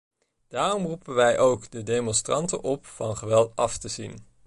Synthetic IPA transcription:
d̥aːrɔmrupənʋɛjʔowkdədejmɔnstrɑntə̰nʔɔpfɑnχəʋɛlˠtɑftəzin

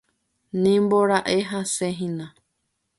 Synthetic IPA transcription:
nĩmboɾaʔeɦaseɦĩnã

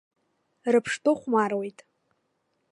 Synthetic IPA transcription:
rɨpʰʂtʰʼɨχʷmarwe̞jtʼ

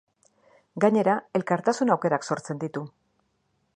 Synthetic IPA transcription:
ɡaɲe̞ɾae̞lkaɾt̪asunawke̞ɾakso̞ɾt͡se̞nd̪it̪u

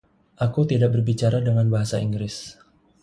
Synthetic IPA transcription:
ʔakut̪idaʔ̚bərbit͡ʃaɾadəŋanbaɦasaiŋɡɾɪs

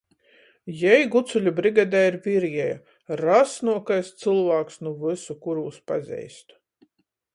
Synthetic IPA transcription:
jɛjɡut̪sulʲubɾiɡad̪aːiɾviɾjɛja | ɾasnuɔkajst̪sɨlˠvaːksnuvɨsukuɾuːspa̰zʲɛ̰jst̪

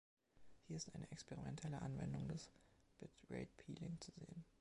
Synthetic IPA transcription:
hiːɐɪstʔaɪnəʔɛkspɛʁimɛntʰɛləʔa̰nvɛ̰ndʊŋdasb̥ɪtʁɛ̰ɪt̚pʰiːlɪŋt͡suzḛːən

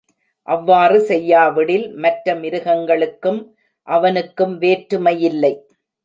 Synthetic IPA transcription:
ʔɐʋːaːrɯsɛjːaːʋɪɽɪlmɐʈɾɐmɪɾɯɣɐŋɡɐɭɯkːɯm | ʔɐʋɐnɯkːɯmʋeːʈɾɯmɐjɪlːɐɪ

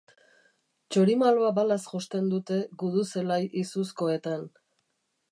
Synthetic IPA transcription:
t͡ʃoɾimaloabalasxost̪e̞nd̪ut̪e̞ɣuðuse̞lajʔisusko̞e̞t̪an

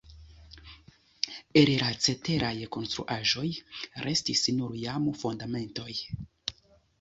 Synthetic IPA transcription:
elɾat͡se̞te̞ɾʔajko̞nstɾṵʔaʒo̞jɾʔe̞stisnuɾjamfundame̞nto̞j

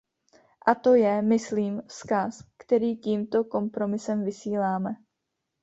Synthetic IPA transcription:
ʔat̪o̞jɛmɪsliːmskaskt̪ɛɾiːciːmt̪o̞ko̞mpɾo̞mɪsɛmvɪsiːlaːmɛ

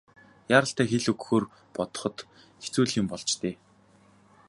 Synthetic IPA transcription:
jaːɾə̆ɬt̪æːxeɮɵkxoːr | pɔt̪ɞ̥̆χɞ̆t̪ | xet͡suːɮiːmpɔɮt͡ɕt̪eː

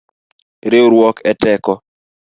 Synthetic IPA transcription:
ɾeoɾwɔkɛtɛkɔ

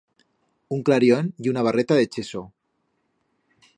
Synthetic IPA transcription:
uŋklaɾjoniunaβ̞aret̪aðet͡ʃeso

